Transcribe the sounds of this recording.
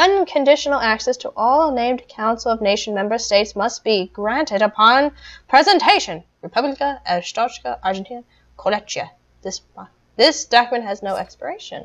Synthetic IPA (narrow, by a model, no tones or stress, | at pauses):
ʌ̃nkʰɨ̃ndɪʃn̩l̩ˠæksɛstʰəʔɔlˠnẽɪ̃mkʰãʊ̃nsl̩ˠʌvneɪʃn̩mɛ̃mbə˞steɪtsmʌstb̥iɡɹæ̃ntɨɾəpʰɑ̃npʰɹ̥ɛzɨ̃ntʰeɪʃɨ̃nɹɨpʰʌbləkəʔɨstɑt͡ʃkəʔɑɹd͡ʒɨ̃ntʰĩnə | kʰolɛt͡ʃɨ̰ | ðɪs | ðɪsd̥ɑkmɨ̃nɦɨznoʊʔɛkspə̰˞eɪʃɨ̰̃n